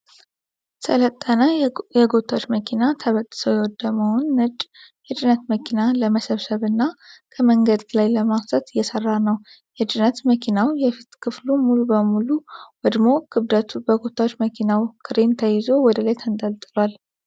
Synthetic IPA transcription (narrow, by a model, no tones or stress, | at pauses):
sʰələt̪ʼːənəjɛɡot̪ʰawot͡ʃːməkʰinat̪ʰəβət̪ʼːɨ̥səwjɛwɔd̪ːəməwʊnːɨt͡ʃʼːjɛd͡ʒɨnət̪məkʰinaləməsəβsəβɨnːakʰəməŋɡəd̪lajləmast̪ʰət̪ɨjːɛsərːanəw | jɛd͡ʒɨnət̪məkʰinawjɛfit̪kʰɨflumulubəmuluwɔd̪mo̞kʰɨβd̪ət̪ʰubəɡot̪ʰawot͡ʃːməkʰinawkʰɨɾent̪ʰəjɪzo̞wɔd̪əlajt̪ʰənd̪əlt̪ʼɨlwal